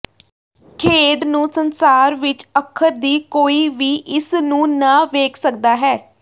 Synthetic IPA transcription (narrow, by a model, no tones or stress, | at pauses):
kʰeːɖnũːsənsaːɾʋɪt͡ʃəkʰːəɾd̪iːkoːiːʋiːʔɪsnũːnaːʋeːkʰsək̚d̪aːɦɛː